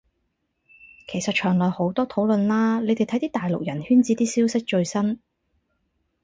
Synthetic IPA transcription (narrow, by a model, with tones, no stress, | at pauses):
kʰe˨˩jsɐ˨t̚t͡ʃʰœː˨˩ŋlɔː˨jho˨˥wt̪ɔː˥t̪ʰo˨˥wlɵ˨nlaː˥le˨˧jt̪e˨jt̪ʰɐ˨˥jt̪iː˥t̪aː˨jlʊ˨k̚jɐ˨˩nhyː˥nt͡siː˨˥t̪iː˥siː˥wsɪ˥k̚t͡ʃɵ˧ɥsɐ˥n